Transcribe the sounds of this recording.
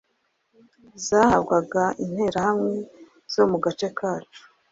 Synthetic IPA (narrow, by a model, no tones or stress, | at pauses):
zaːhabɡaɡain̥he̞ɾahamŋe | z̥o̞muɡat͡ʃekʰaːt͡ʃu̥